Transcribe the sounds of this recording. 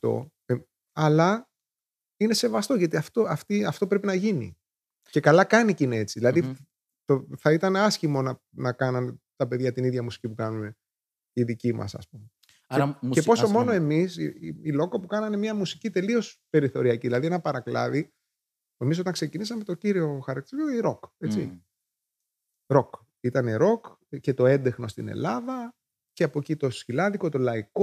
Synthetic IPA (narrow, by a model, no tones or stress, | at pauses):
ft̪o̞̰ | e | ɐlɐ | ine̞se̞vɐst̪o̞ʝɐt̪iɐft̪o̞ɐft̪iɐft̪o̞pɾe̞p̬inɐʝinḭ | ce̞kɐlɐkɐnicinee̞t͡siðilɐði | t̪oθɐit̪ɐneɐsçimo̞nɐ | nɐkɐnɐnet̪ɐpe̞ðʝɐt̪iniðʝɐmusi̥cipukɐnune̞ | iðicimɐ̰sɐ̰spume | epo̞so̞mo̞noe̞misiilo̞kopukɐnɐne̞mɲɐmusi̥cit̪e̞lio̞spe̞ɾiθo̞ɾiɐciðilɐðienɐpɐɾɐklɐ̰ði | emiso̞t̪ɐŋkse̞cinisɐmet̪o̞ciɾio̞xɐɾɐkt̪isoiɾo̞ket͡sḭ | ɾo̞k | it̪ɐneɾo̞k | ce̞t̪o̞e̞nd̪e̞xno̞st̪inḛlɐðɐ | ceɐpocit̪o̞sçilɐðiko̞t̪o̞lɐiko